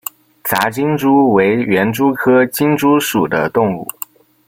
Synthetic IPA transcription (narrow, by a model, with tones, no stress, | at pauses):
t͡sa˧˥t͡ɕi˥ŋʈ͡ʂu˥we˧˥ɪɥɛ˧˥nʈ͡ʂu˥kʰɤ˥t͡ɕi˥ŋʈ͡ʂu˥ʂu˨˩d̪ə̰˦t̪ʊ˥˧ŋṵ˥˩